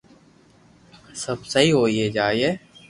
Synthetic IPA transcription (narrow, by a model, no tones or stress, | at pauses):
səbsəɦiɦoːiɦed͡ʒaːieː